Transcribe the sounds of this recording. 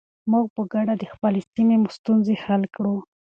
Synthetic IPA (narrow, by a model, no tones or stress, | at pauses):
muɡ̚pəɡaɖad̪əxpəlesimemust̪unzexalkɽu